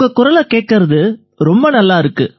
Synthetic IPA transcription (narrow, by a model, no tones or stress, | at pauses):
ɡɐkʊɾɐlɐkeːʈ̚kɪɾɐðɯ | ɾɔmbɐnɐlːaːɪɾɯkːɯ